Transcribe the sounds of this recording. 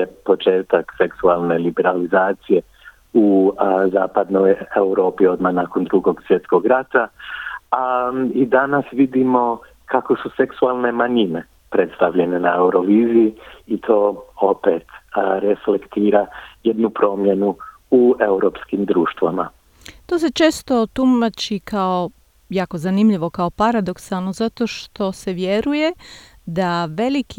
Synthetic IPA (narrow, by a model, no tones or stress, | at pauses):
epo̞t͡ʃe̞ːt̪akse̞ksualˠne̞libe̞ɾalizaːt̪sije̞ | uzaːpad̪no̞je̞uɾo̞ːpio̞d̪mahnako̞nd̪ɾuɡo̞ɡsʋje̞t̪sko̞ɡɾat̪a | aid̪anasʋid̪imo̞ | kʰako̞suse̞ksualˠne̞maɲine̞ | pɾe̞t̪st̪aʋʎe̞ne̞nae̞uɾo̞ʋiːzijiit̪ʰo̞ːopet̪ɾeflekt̪iːɾaje̞d̪nupɾo̞ːmje̞nu | ue̞uɾoːpskimd̪ɾuːʃt̪ʋa̰ma̰ | t̪oːs̬e̞t͡ʃe̞ːst̪o̞t̪umat͡ʃikao̞ | jaːko̞zanimʎiʋo̞kaopaɾad̪o̞ksalˠnozat̪o̞ʃt̪o̞se̞ʋje̞ɾuje̞ | d̪aʋe̞liki